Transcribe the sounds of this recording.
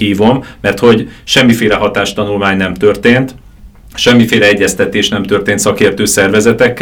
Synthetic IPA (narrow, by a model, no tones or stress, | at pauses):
iːvo̞mːɛrt̪ho̞ɟʃɛmːifeːlɛɦɒt̪aːʃt̪ɒnulmaːɲnɛmt̪ø̞rt̪eːnt̪ | ʃɛmːifeːlɛɛɟːɛst̪ɛt̪eːʃnɛmt̪ø̞rt̪eːnt̪sɒkeːrt̪øːsɛrvɛzɛt̪ɛkː